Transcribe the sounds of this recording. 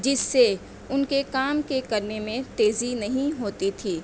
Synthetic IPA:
d͡ʒɪsːe | ʊnkekaːmkekɐɾnemẽt̪eːzinɐɦĩɦoːt̪it̪ʰiː

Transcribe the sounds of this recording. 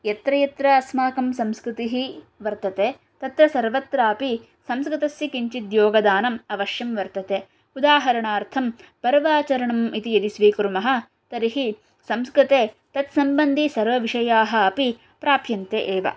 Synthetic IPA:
jɐt̪ɾɐjɐt̪ɾɐːsmaːkɐmsɐmskɾɪt̪iɦi | ʋɐɾt̪ɐt̪eː | t̪ɐt̪ɾɐsɐɾʋɐt̪ɾaːɐpi | sɐmskɾit̪ɐsjikiɲt͡ʃid̪joːɡɐd̪aːnɐmɐʋɐʃjɐmʋɐɾt̪ɐt̪eː | ud̪aːɦɐɾɐɳaːɾt̪ʰɐmpɐɾʋaːt͡ʃɐɾɐɳɐmit̪ijɐd̪isʋiːkuɾmɐɦɐ̆ | t̪ɐɾiɦi | sɐmskɾit̪eː | t̪ɐt̪sɐmbɐnd̪ʱisɐɾʋɐʋiʂɐjaːɦɐːpi | pɾaːpjɐnt̪eʔeːʋɐ̰

